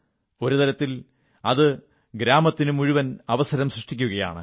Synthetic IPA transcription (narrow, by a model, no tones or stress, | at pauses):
o̞ɾut̪ɐɾɐt̪ːil | ɐðɨ | ɡɾaːmɐt̪ːinumuɻuʋɐnɐʋɐsɐɾɐmsrɨʂʈikʲːuɣɐja̰ːɳɨ̰